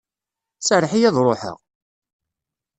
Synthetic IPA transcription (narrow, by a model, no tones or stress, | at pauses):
səɾħijæðˤɾˤoħə̰ʁ